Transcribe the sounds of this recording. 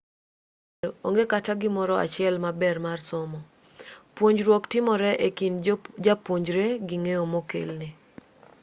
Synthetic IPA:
oo̰ŋɡekataɡɪmɔɾɔa̰t͡ʃɪɛlmabɛrmarsɔmɔ | pwoɲd͡ʒɾwɔktɪmɔɾɛʔekind͡ʒapwoɲd͡ʒɾeɡɪŋeomokḛlnɪ

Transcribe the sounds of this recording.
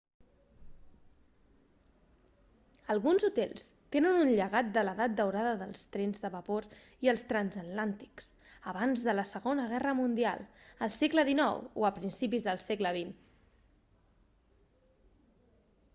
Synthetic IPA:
əlˠɣunzut̪ɛ̰lˠst̪enənunʎəɣat̪̚d̪ələðat̪̚d̪əwɾaðəðəlˠst̪ɾɛnzðəβəpoɾ | iəlˠst̪ɾanzət̪lant̪i̥ks | əβanzðələsəɣonəɣ̞ɛrəmund̪ia̰lˠəlˠsekləðinɔwoəpɾinsipizðəlˠsekləβ̞in

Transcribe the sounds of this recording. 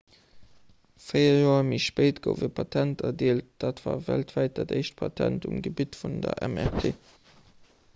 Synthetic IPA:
fəɪɐjoːɐmiʃpeɪtɡ̥o̰ʊvəpʰɑtʰæntɐdiəlt̚d̥aːtv̥a̰ːvæltvæɪt̚dɑdeɪʃt̚pʰɑtʰæntumɡəbitfundɐʔæ̰mɛʁtʰeː

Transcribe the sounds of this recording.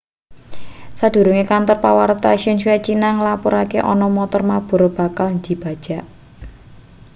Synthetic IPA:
sad̪̥ṳɾuŋekant̪ɔrpawaɾt̪aʃiʊnʃuɛt͡ʃinaŋlapuɾakeʔɔ̰nɔmɔt̪ɔrmab̥ṳɾob̥a̤kalnd̪i̤b̥a̤d̥ʒ̥a̤ʔ

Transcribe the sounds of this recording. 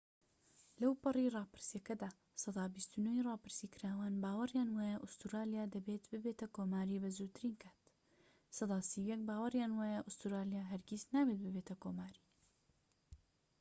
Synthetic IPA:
lɐwpɨriːrˤɑːpɨɾsjɐkɐd̪aː | sɑd̪ɑːbist̪unoirˤɑːpɨɾsikʰɨɾaːwaːnbaːwɐrjaːnwaːjɐʔʊst̪uɾaːlijaːd̪ɐbeːt̪bɨbeːt̪ɐkoːmaːɾiːbɐzuɾt̪ʰɨɾiːnkʰaːt̪ | sɑd̪ɑːsiwjɛk̚baːwɐrjaːnwaːjɐʔʊst̪uɾaːlijaːɦɐɾɡʲiznaːbet̪̚bɨbeːt̪ɐkoːmaːɾiː

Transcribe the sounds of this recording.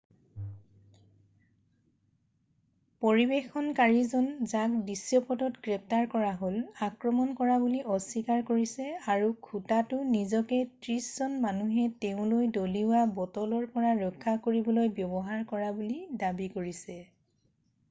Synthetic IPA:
poɹibexɔnkaɹizɔnzakbisjɔpɔdɔtɡɹɛp̚taɹkɔɹaɦolakɹɔmɔnkɔɹabuliʔɔsikaɹkoɹisɛaɹukʰutatʊnizɔkɛtɹiszɔnmanuɦɛteʊ̃lojdoliʊwabɔtɔlɔɹpɔɹaɹɔkʰːakoɹibɔlojbjɔbɔɦaɹkɔɹabulidabikoɹisɛ

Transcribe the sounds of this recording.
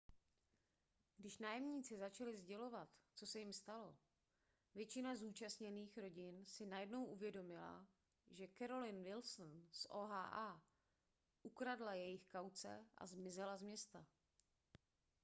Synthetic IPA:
ɡdɪʃnaːjɛmɲiːt͡sɪzat͡ʃalɪzɟɛlo̞vat̪t͡so̞sɛjɪmst̪alo̞ | vjɛt͡ʃɪnazuːt͡ʃastɲɛniːxɾo̞ɟɪnsɪnajɛdno̞wʔuvjɛdo̞mɪla̰ | ʒɛkɛɾo̞lɪnvɪlsnsʔoːɦa̰ːʔa | ʔukɾadlajɛjɪxkawt͡sɛ̰ʔa̰zmɪzɛlazmɲɛst̪a

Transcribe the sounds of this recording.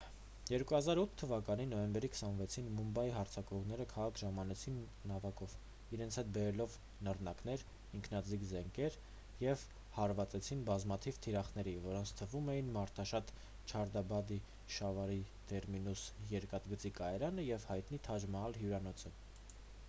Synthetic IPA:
jɛɾkuhɑzɑɾut̪ʰːəvɑkɑninɔjɛmbɛɾikʰə̥sɑnvɛt͡sʰinmumbɑjiɦɑɾt͡sʰɑkɔʁnɛɾəkʰɑʁɑkʰʒɑmɑnɛt͡sʰinːɑvɑkɔv | iɾɛnt͡sʰhɛt̪̚bɛɾɛlɔv | nərnɑknɛɾ | iŋkʰnɑd͡zikzɛŋkʰɛɾ | jɛv | hɑɾvɑt͡sɛt͡sʰinbɑzmɑt̪ʰivt̪ʰiɾɑχnɛɾivɔɾɔnt͡sʰt̪ʰəvumɛjinmɑɾt̪ʰɑʃɑt̪ | t͡ʃʰɑɾd̪ɑbɑd̪i | ʃɑvɑɾit̪ɛɾminusjɛɾkɑt̪ɡət͡sikɑɛɾɑnəjɛvhɑjt̪n̪it̪ʰɑd͡ʒmɑɑlɦjuɾɑnɔt͡sʰə

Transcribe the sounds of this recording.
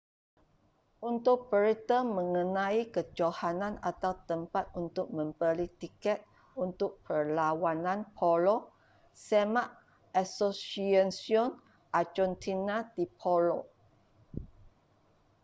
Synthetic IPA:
ʔunt̪ʊk̚pəɾit̪əmə̃ŋənãikəd͡ʒohanãna̰t̪awt̪əmpat̪̚unt̪ʊk̚mə̃mbəlit̪ikɛt̪̚ | unt̪ʊk̚pʰərlawanãnpʰɔlɔ | semaʔ | ʔasosiansiɔn | ʔad͡ʒɔnt̪ʰinadipʰolo

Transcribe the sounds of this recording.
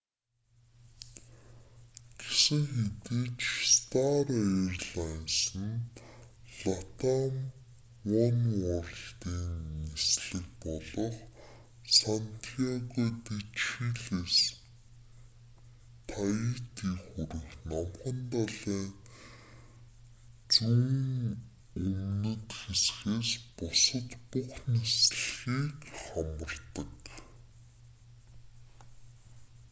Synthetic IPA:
ɡ̥esɘ̆ŋxet̪iːt͡ɕst̪arerɮansə̆n | ɮ̥at̪am | wɔnɔrɬt̪iːnːisɮɘ̆k̚pɔɮɞ̆χ | sant̪ʰiaɣɔt̪it͡ɕiɮes | t̪ʰait̪iːxuɾɘ̆xnɔmχə̆nt̪aɮiːŋ | t͡suːŋ | ɵmnɵ̆t̪xesxeːspʊsə̆t̪puχnesɮxiːkχamə̆rt̪ə̆k

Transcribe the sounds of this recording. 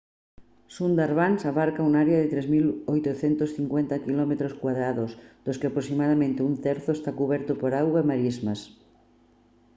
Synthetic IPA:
sund̪aɾβansaβaɾkauŋaɾeaðet̪ɾezmilojt̪oθent̪osθiŋkwent̪akilɔmet̪ɾoskwaðɾaðosd̪̥oskeapɾosimaðamẽnt̪eunt̪ɛɾθoest̪akuβɛɾt̪opoɾawɣaemaɾizmas

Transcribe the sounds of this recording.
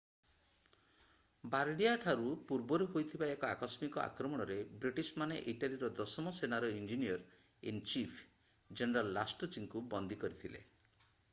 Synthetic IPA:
baɾɖijaʈʰaɾupuɾbɔɾuɦojt̪ʰibaekɔakɔsmikɔʔa̰kɾɔmɔɽ̃ɔɾebɾiʈismanḛʔiʈaliɾɔd̪ɔsɔmɔsenaɾɔind͡ʒinijɔɾ | int͡ʃipʰ | d͡ʒeneɾalːasʈɔt͡ʃiŋkubɔnd̪ikɔɾit̪ʰilḛ

